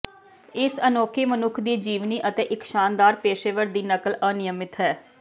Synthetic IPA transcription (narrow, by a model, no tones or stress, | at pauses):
ɪsənoːkʰiːmənʊkʰd̪iːd͡ʒiːʋniːʔət̪eːʔɪkʃaːnd̪aːɾpeːʃeːʋəɾd̪iːnəkələnɪjəmɪt̪ɦɛː